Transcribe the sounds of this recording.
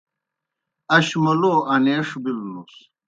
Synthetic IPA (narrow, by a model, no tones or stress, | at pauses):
ɐɕmɐloʔɐneːʂbilnus